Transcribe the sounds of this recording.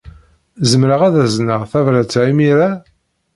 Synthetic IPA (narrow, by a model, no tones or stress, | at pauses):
zəmɾəʁæðæznəʁθævɾæt͡sːʕimiɾa